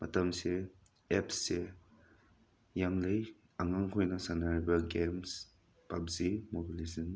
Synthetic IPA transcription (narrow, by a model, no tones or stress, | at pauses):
mɐtamse | epʰsːe | jaŋlej | aŋaŋkʰojnɐsanaɾibɐɡems | pabzimobilizan